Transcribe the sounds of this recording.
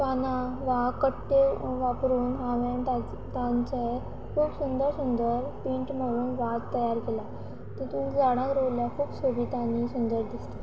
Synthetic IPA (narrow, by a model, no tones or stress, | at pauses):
kanaʋakəʈːeʋapɾuːnɦaʋaɳt̪a | t̪aɲt͡ɕae | kʰuːpsund̪əɾsund̪əɾpiːɳʈm̤əɽuːnʋaɡt̪əjaɾkela | t̪əɾt̪ũːkd͡zaɽ̃ãkɾəwljakʰuːpsobʱit̪anisund̪əɾd̪ist̪ḁ